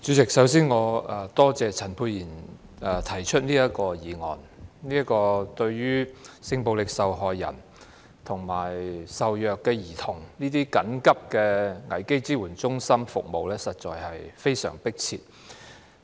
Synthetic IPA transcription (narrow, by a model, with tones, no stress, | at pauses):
t͡ʃyː˨˧˥t͡sɪ˨k̚sɐ˨˥ws̬iː˥nŋɔː˨˧ɐ˨˩t̪ɔː˥t͡sɛː˨t͡sʰɐ˨˩npʰuː˧jiː˨˩n | ɛ˨t̪ʰɐ˨˩jt͡ʃʰɵ˥t̚niː˥ɐ˥t̚kɔː˧jiː˨˩ŋɔ̰ː˨n | niː˥ɐ˥kɔː˧t̪ɵ˧ɥjɥyː˥sɪ˧ŋpo˨˧wlɪ˨k̚sɐ˨wɦɔː˨jːɐ̰˨˩n | t̪ʰʊ˨˩ŋmaː˨˩jsɐ˨wjœː˨kːɛ˧jiː˨˩t̪ʰʊ˨˩ŋniː˥t̪iː˥kɐ˨˥nkɐ˥p̚kɛː˧ŋɐ˨˩jke˥jt͡siː˥wuː˨˩nt͡sʊ˥ŋsɐ˥mfʊ̰˨k̚mo˨wlɛː˥sɐ˨t̚t͡ʃɔ̰ː˨jhɐ˨jfe˥jsœ̰ː˨˩ŋpɪ˥k̚t͡sʰḭː˧t̚